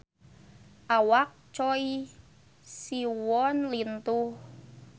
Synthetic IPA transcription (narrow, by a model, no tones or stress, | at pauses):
ʔawak̚t͡ʃɔi | siwɔnlint̪uh